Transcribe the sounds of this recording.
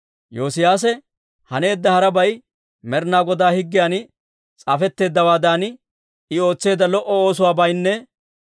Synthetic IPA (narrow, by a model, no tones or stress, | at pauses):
joːsɪjaːs̬ɛ | hɐne̞ːd̪ːɐhɐɾɐbɐj | mɛɾnaːɡɔd̪aːhɪɡːɪjaːnɪ | t͡sʼafɛt̪ːe̞ːd̪ːɐwaːd̪aːn | ɪo̞ːt͡sːe̞ːd̪ːɐlɔʔɔo̞ːs̬ʊwaːbɐjnːɛ